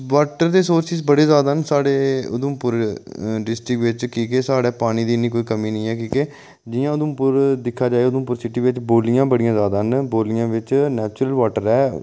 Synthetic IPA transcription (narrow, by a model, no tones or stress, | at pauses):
ʋaːʈəɾd̪eːsoːɾsɪsbəɽeːzaːd̪aːɦənsaːɽeːʊ̰d̪ʊmpʊɾɖɪsʈɾɪkʋɪt͡ʃkiːkeːsaːɽeːpaːñiːd̪iːniːkoːiːkəmiːnəĩːɛːkiːkeː | d͡ʒɪjãːʊd̪əmpʊɾd̪ɪkʰːaːd͡ʒaːeʊd̪ə̃mpʊɾsɪʈiːʋɪt͡ʃboːlijãːbəɽijãːzjaːd̪aːɦənboːlɪjãːʋɪt͡ʃnɛːt͡ʃʊɾəlʋaːʈəɾɛː